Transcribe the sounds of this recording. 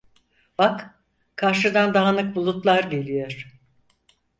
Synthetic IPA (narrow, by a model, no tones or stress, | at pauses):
b̥ak | kʰaɾʃɯd̪and̪aɦanɯk̚bulˠut̪lˠaɾɟe̞lʲijoɾ̥